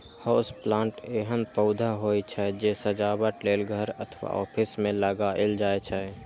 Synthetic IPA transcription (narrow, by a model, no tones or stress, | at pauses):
hɔsplãːɳʈeːɦənpəʊd̪ʱaɦoːit͡ʃʰɛd͡ʒeːsəd͡ʒaːbəʈleːlɡʱəɾət̪ʰʋa̰ɔ̰ːpʰɪsmẽləɡaʔɪld͡ʒaːet͡ʃʰɛ